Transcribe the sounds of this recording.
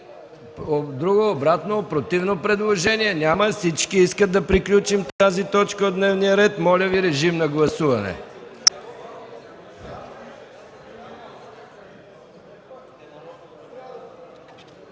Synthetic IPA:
d̪ɾuɡoːbɾat̪nopɾot̪ivnopɾɛd̪lˠoʒɛniɛnʲaməsit͡ʃkiiskəd̪̚d̪ɐpɾiklʲut͡ʃimt̪azit̪ɔt͡ʃkəod̪nɛvnijəɾɛt̪mɔlʲəviɾɛʒimnɐɡlˠɐsuvɐnɛ̰

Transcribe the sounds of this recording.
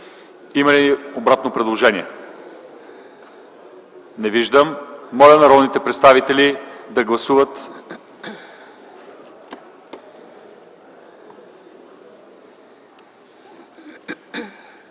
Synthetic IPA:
imɐliiobɾat̪nopɾɛd̪lˠoʒɛnʲiɛ | nɛviʒd̪əmːɔlʲənɐɾɔd̪nit̪ɛpɾɛt̪st̪avit̪ɛlid̪ɐɡlˠɐsuvət̪

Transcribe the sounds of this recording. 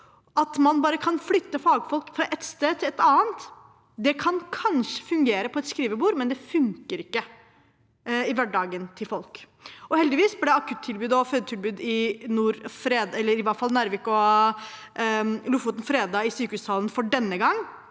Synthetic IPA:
ɑt̪mɑnbɑːɾəkʰɑnflʏt̪ːəfɑːɡfɔlkfɾɑʔɛt̪st̪eːd̪ət̪ʰɪlɛt̪ɑːənt̪ | d̪ɛkʰɑnkʰɑnʂə̥fʉŋɡeːɾəpʰɔɛt̪skɾiːʋəbuːɾmɛnd̪ɛfʉŋkəɾɪkːə | ɪʋæɖɑːɡənt̪ʰɪlfɔlk | ɔhɛld̪ɪʋiːsblɪd̪ɛɑkʰʉt̪ʰːɪlbʉːd̪ɔføːd̪ət̪ʰɪlbʉːd̪ɪnuːɾfɾeːd̪ɛlːəɾɪʋɑfɑlnæːɾʋɪkɔ | lufuːt̪n̩fɾeːd̪ɑːɪsyːkəhʉːstɑːlənfɔɖɛnːəɡɑŋː

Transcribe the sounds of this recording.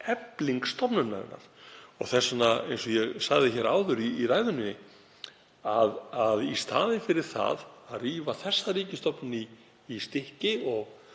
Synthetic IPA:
ɛpliŋkst̪ɔpnʏnːa̰ɾɪ̰nːa̰ɾ̥ɔ̰ɣθɛsːɔnaejnsɔjɛɣsaɣðɪçɛɾaːwðʏɾiːraːjðʏnɪ | aðaðist̪a̰ːðɪnfɪɾɪɾ̥θa̰ðaðriːvaθɛsːariːcɪst̪ɔpnʏniː | st̪ɪhcɪɔɣ

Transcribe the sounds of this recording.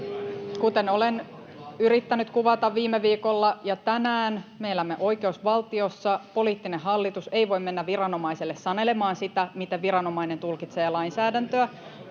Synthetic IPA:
kut̪e̞no̞len | yɾit̪ːænyt̪kuʋɑt̪ɑʋʋiːmːeʋiːko̞lːɑjɑt̪ænæːnmejlːæmːeʔo̞jke̞usʋɑlt̪io̞sːɑpo̞liːt̪ːineɦɑlːit̪use̞jʋo̞jmːe̞nːæʋʋiɾɑno̞mɑiselːessɑne̞le̞mɑːnsit̪æmit̪eʋiɾɑno̞mɑine̞nt̪ulkit̪se̞ːlɑjnsæːdænt̪øæ

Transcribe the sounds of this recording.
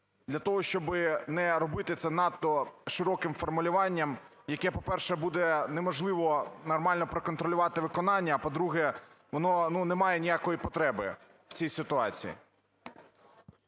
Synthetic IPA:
d̪ʲlʲɐt̪ɔɦɔʃt͡ʃɔbɪnɛɾɔbɪt̪ɪt̪sɛnɑt̪ːɔʃɪɾɔkɪmfɔrmʊlʲʊʋɑnʲːɐm | jɐkɛpɔpɛrʃɛbud̪ɛnɛmɔʒlˠɪʋɔnɔrmɑlʲnɔpɾekɔnt̪ɾɔlʲʊʋɑt̪ɪʋɪkɔnɑnʲːɐːpɔd̪ɾuɦɛ | ʋɔnɔnunɛmɑjɛnʲijakɔjipɔt̪ɾɛbɪ | w̥t͡sʲijsɪt̪ʊɑt͡sʲḭjḭ

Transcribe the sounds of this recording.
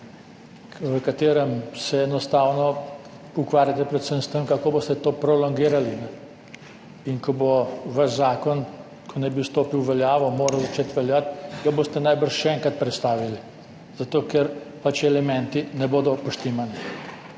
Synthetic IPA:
ʋəkat̪eːɾɛmsɛːnɔst̪aːwnɔ | ukʋaːɾjat̪ɛpɾɛt̪səmst̪əmkakoːbost̪ɛt̪oːpɾɔlɔŋɡiːɾalinɛ | inkɔboʋaʃzaːkɔn | kʰɔnɛbiwst̪oːpiwʋɛljaːʋɔmoːɾazat͡ʃeːt̪ʋɛljat̪ɡaboːst̪ɛnajbəɾʃʃɛɛŋkat̪̚pɾɛt̪st̪aːʋili | z̥at̪oːkɛɾ | pat͡ʃɛlɛmɛ̃nt̪inɛboːd̪ɔpɔʃt̪eːmani

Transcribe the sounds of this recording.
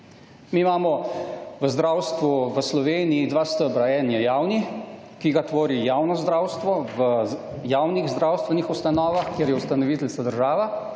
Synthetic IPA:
miːmaːmɔʋəzd̪ɾaːwst̪ʋuʋəslɔʋeːnijid̪ʋaːst̪əbɾaɛnjɛjaːwni | kiɡat̪ʋoːɾijaːwnɔzd̪ɾaːwst̪ʋɔʋə | jaːwniɣzd̪ɾawst̪ʋɛnixust̪anɔːʋaxkjeɾjɛust̪anɔʋiːt̪ɛlsad̪əɾʒaːʋa

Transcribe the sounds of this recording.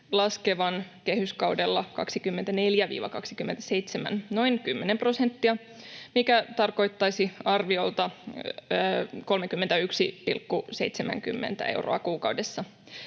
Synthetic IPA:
lɑskeʋɑnke̞hyskɑwdelːɑkɑ̰ksikymːent̪æne̞ljæʋḭːʋɑ̰kɑksikymːe̞nt̪æ̥se̞jt̪semæ̰nno̞inkymːenempro̞sent̪ːiɑ | mikæt̪ɑrko̞jt̪ːɑisiɑrʋiolt̪ɑː | ko̞lmekymːent̪æyksipḭlkːuse̞̰it̪semæ̰ŋky̰mːḛnt̪æ̰ḛwrʔo̰ɑkuːkɑwdesːɑ

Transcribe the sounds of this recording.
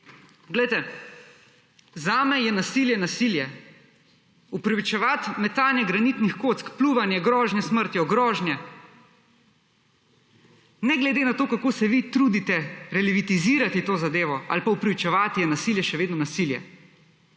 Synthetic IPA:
ɡlɛjt̪ɛ | zaːmɛjɛnasiːljɛnasiːljɛ | upɾɛʋit͡ʃɛʋat̪mɛt̪aːlnjɛɡɾanit̪nixkoːt̪skpluːʋanjɛɡɾɔːʒnjɛsməɾt̪jɛɔɡɾɔːʒnjɛ | nɛɡlɛd̪eːnat̪oːkakoːsɛʋit̪ɾuːd̪it̪ɛɾɛliʋit̪iziːɾat̪it̪oːzad̪eːʋɔa̰lpaupɾɪʋit͡ʃɛʋaːt̪jɛnasiljɛʃɛʋeːd̪nɔnasiljɛ̰

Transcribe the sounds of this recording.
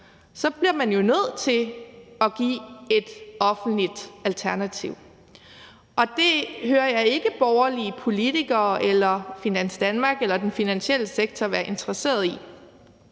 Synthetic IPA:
sɒ̽b̥liɐmænjo̝nøð̞̰ˠt͡sʰe̝ɒ̽ɡ̥ḭːe̝d̥ɒ̽fn̩d̥lid̥ælt͡sʰæɐnæt͡sʰiʊ | ʔɒ̽d̥e̝høːɐjɑ̈ɪe̝ɡ̥əb̥ɒʊɐliəpʰo̝lit͡sʰiɡ̥ɐːʔelɐfinænsd̥ænmɑ̈ːɡ̥elɐd̥enfinænɕiel̰əseɡ̥̚t͡sʰɒʋæːɐʔe̝nt͡sʰʁɐse̝̰ːɐð̞ˠi

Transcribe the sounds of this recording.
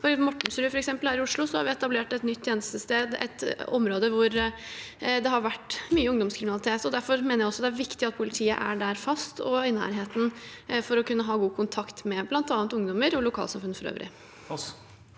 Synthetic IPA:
fɔɾɪmɔʈːɳ̩sɾʉːfɔɾɛksɛmpəlhæːɾɪʊʂɭʊsɔhɑ̰ɾʋɪɛt̪ɑbleːʈɛt̪nʏt̪ːʰjeːnəst̪əst̪eːd̪ɛ̰t̪ɔmɾoːd̪əʋʊɾ | d̪ɛɦɑɾʋæʈːmyːəʊŋd̪ɔmskʰɾɪmɪnɑlɪt̪ʰeːt̪ɔd̪æɾfɔɾmeːnəjæɪɔsɔd̪ɛæɾʋɪkt̪ɪɑt̪̚pʰʊlɪt̪ʰiːə̰ʔæ̰ɖæɾfɑst̪ɔɪnæ̰ːɾɦeːt̪n̩fɔɾɔkʰʉnːəɦɑːɡuːkʰʊnt̪ʰɑkt̪mɛblɑnt̪ɑːnt̪ʊŋd̪ɔməɾɔlʊkʰɑ̰ːlsɑmfʉnːfɔɾø̰ːʋɾʔɪ̰

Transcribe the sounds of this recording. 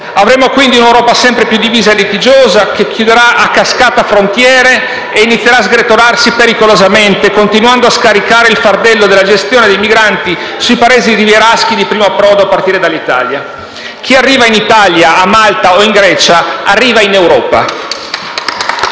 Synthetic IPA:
avɾemːokwind̪iunewɾɔːpasɛmpɾepjud̪ːiviːzaelːit̪id͡ʒoːzakekʰːjud̪eɾaʔakːaskaːt̪afɾont̪jɛːɾeː | init̪sːjeɾaːzɡɾet̪oɾarsipeɾikolozament̪ekont̪inwand̪oaskaɾikaːɾeilfard̪ɛlːod̪elːad͡ʒest̪joːned̪ejmiɡɾant̪i | suipaeːziriveɾask̟id̪ipɾiːmoapːɾɔd̪oapːart̪iːɾed̪alːit̪a̰lja | k̟ʰiarːiːvainit̪aljaamalt̪aoiŋɡɾɛːt͡ʃaarːiːvainewɾɔːpa̰

